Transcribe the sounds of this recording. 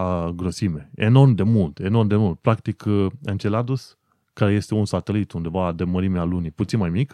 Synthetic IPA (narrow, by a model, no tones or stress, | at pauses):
aɡɾo̞sime̞eno̞rmd̪e̞mult̪e̞no̞rmd̪emult̪̚pɾakt̪ikʰent͡ʃelad̪us | kaɾeje̞st̪e̞unsat̪elit̪und̪e̞vad̪eməɾimealuniput̪sinmajmik